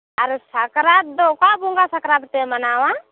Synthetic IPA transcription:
aɾusakɾat̪̚d̪ɔkabuŋɡasakɾat̪̚t̪ɛmanawa

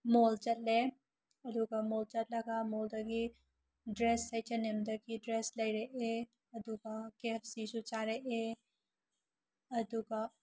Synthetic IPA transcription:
molt͡ʃɐt̚le | ɐd̪uɡamolt͡ʃɐt̚lɐɡamold̪ɐɡi | dɾesːɐjt͡ʃɐnemd̪ɐɡidɾeslɐjɾeʔe | ɐd̪uɡakepʰsisut͡ʃaɾeʔe | ɐd̪uɡa

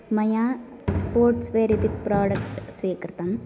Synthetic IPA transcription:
mɐjaː | spoːɾʈsʋeːɾit̪ipɾaːɖɐkʈsʋiːkɾt̪ɐm

